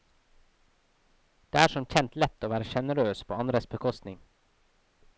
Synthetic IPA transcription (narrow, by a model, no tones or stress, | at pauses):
d̪̥eːæːɾʃɔmc͡çɛnt̪lɛt̪oːʋæːɾəʃɛnəɾøːspʰo̰ːɑnɾəsbəkʰɔst̪nɪŋ